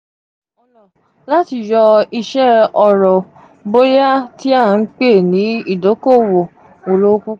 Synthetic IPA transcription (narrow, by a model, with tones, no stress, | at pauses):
ɔ˧lɔ˨ | la˦ti˧jɔ˧i˧ʃɛ˦ɔ˧ɾɔ˨ | bo˦ja˦ti˦a˦˨n̩˦k͡pe˦˨nĩ˨˦i˦˨do˨˦ko˦˨wo˨ | o˨lo˦ku˦